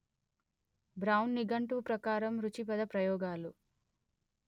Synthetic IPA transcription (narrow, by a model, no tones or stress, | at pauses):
bɾɐwnːiɡɐɳʈuːpɾɐkaːɾɐmɾut͡ʃipɐd̪ɐpɾɐjɔːɡaːlu